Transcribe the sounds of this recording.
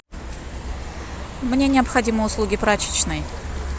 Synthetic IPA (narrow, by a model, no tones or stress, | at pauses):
mnʲe̞nʲɪɐpxɐdʲiməʊslˠuɡʲɪpɾat͡ɕɪ̥t͡ɕnɨj